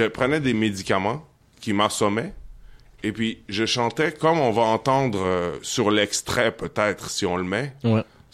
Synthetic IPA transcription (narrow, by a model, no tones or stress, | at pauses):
əpχənɛd̪emed̪ikamɑ̃ | kʲimãsɔmɛ | epɥiʒəʃɑ̃t̪ɛkɔmɔ̃vaɑ̃t̪ɑ̃ːd̪ʁøsyʁlɛkst̪χɛpøt̪ɛːt̪χsiɔ̃ləmɛw